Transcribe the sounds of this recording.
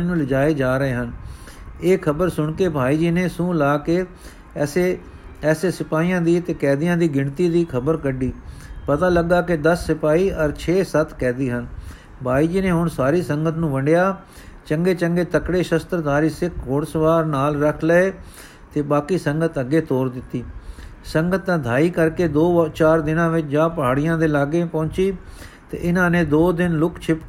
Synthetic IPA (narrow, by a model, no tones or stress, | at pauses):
nũːlɪd͡ʒaːeːd͡ʒaːɾəeːɦən | eːkʰəbəɾsʊɳkeːbʱaːiːd͡ʒiːneːsũːlaːkeː | ɛːse | ɛːseːsɪpaːiːjãːd̪iːt̪eːkɛːd̪ɪjãːd̪iːɡɪɳt̪iːd̪iːkʰəbəɾkəɖiːpət̪aːləɡːaːkɪd̪əsːɪpaːiːʔəɾt͡ʃʰeːsət̪ʰkɛːd̪iːɦən | bʱaːiːd͡ʒiːneːɦʊɳsaːɾiːsəŋɡət̪nũːʋəɳɖjaː | t͡ʃəŋɡeːt͡ʃəŋɡeːt̪əkɽeːʃəst̪ɾəd̪aːɾiːsɪkʰɦoːɽsəʋaːɾnaːlɾəkʰləeː | t̪eːbaːkiːsəŋɡət̪əɡeːt̪oːɾd̪ɪt̪ːiːsəŋɡət̪ːãːd̪ʱaːiːkəɾkeːd̪oːt͡ʃaːɾd̪ɪnãːʋɪt͡ʃd͡ʒãːpəɦaːɽɪjãːd̪eːlaːɡeːpɔ̃ːnt͡ʃiː | t̪ḛːʔɪnãːneːd̪oːd̪ɪnlʊkt͡ʃʰɪp